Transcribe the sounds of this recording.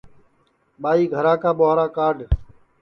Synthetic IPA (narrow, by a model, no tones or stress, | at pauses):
ɓaːiːɡʱəɾãːkaːɓoːɦɾaːkaːɾɖ